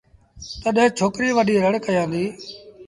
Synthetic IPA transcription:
t̪əɗɛ̃ːt͡ʃʰoːkɾiːʋəɗiːɾəɽkəjãːnd̪iː

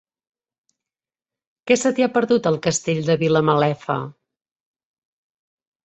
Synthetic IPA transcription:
kɛsət̪iapəɾðut̪əlˠkəst̪eʎd̪əβiləməlɛfə̰

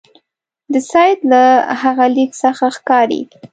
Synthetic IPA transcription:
d̪əsɑjd̪lahaɣaliksəxaxkɑɾḛɡ

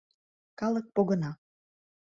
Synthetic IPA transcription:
kɑlək̚poɣə̆nɑ

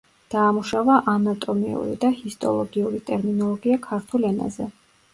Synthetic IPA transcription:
d̪̥aːmuʃavaʔanat̪ʼɔmḭṵɾḭd̪ahist̪ʼɔ̰lˠɔɡiuɾit̪ʼɛɾminɔlˠɔɡiakʰaɾt̪ʰulɛna̰zɛ

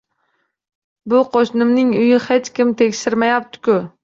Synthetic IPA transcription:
bʊqʰoʃnɪmnɪŋʊjɪhet͡ʃkʲɪmt̪ʰekʲʃɪɾmajap̚t̪ʰɪ̥kʲʊ

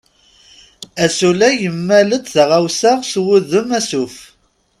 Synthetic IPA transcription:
æsulæjəmːælət͡s̪ðəʁawsaʁswʊðəmæsuf

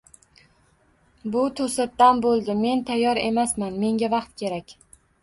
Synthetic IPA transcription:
bʊt̪ʰosat̪ːanbolˠd̪ɪme̞nt̪ʰajːɒɾe̞̰masmanme̞ŋɡʲavɑqt̪kʲʰe̞ɾakʲ

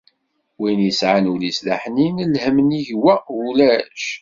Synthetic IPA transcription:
winjəsʕanulislaħninəlhəməniʝwæulæʃ

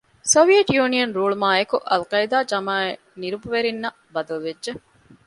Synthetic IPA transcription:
soʋieʈjuːnijɐnɾuːɭmaːekuʔɐlkɐid̪aːd͡ʒɐmaːe | niɾubuʋeɾinːɐ | bɐd̪ɐluʋedʒe

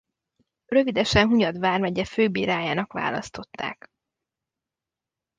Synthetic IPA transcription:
rø̞vid̪ɛʃɛnɦuɲɒd̪ʋaːrmɛɟɛføːbiːɾaːjaːnɒkʋa̰ːlɒ̰st̪o̞t̪ːa̰ːk

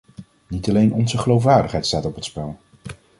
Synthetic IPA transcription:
nitɑlejnɔnzəχəlowf̬ʋaːɹdəχɦɛjtstaːtɔpɦətspɛlˠ

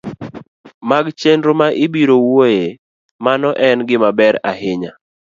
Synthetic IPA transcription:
maɡt͡ʃendɾomaʔɪbiɾowoje | manɔʔɛnɡɪmabɛɾa̰ɦɪɲa

